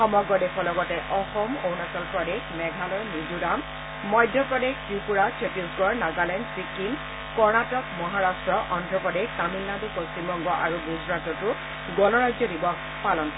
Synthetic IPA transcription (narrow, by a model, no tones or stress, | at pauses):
xɔmɔɡɹɔdekʰɔlɔɡɔtɛʔɔxɔmownasɔlpɹɔdexmɛɡʱalɔjnid͡ʒudamː | ɔjdʱjɔpɹɔdeɡtupuɹasɔtiusɡɔɹnaɡalɛnsikːiŋ | kɔɹnatɔkmɔɦaɹastɹɔʔɔndɹɔpɔdektamilːadupost͡ʃimbɔŋɡɔʔaɹuɡuzɹatɔtʊ | ɡɔnɔɹazɔdibɔk | palɔn